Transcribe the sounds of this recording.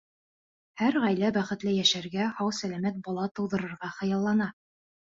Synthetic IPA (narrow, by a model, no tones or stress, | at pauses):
hæɾʁæjlæbæχɘ̆t̪lɘjæʃæɾɡæhɑwsælæmæt̪̚bɒlˠɑt̪ɤ̆wðɤ̆ɾɤ̆ɾʁɑχɤ̆jɑlˠːɑnɑ